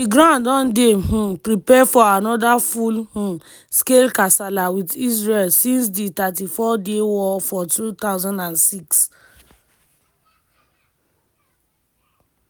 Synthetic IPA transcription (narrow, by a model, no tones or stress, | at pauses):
diɡɾãndɔ̃ndeɦũpɹipɛfɔanɔdafulhũ | skelkasalawitisɹelsĩns̬ditat̬ifɔdewɔfɔtut̪aʊzãndãnsiks